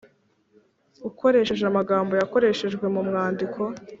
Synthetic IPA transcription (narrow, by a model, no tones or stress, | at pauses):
uko̞ɾe̞ːʃeʒeamaɡaːmbo̞jako̞ɾe̞ʃe̞ʒɡwe̞mumŋaːndikʰo̞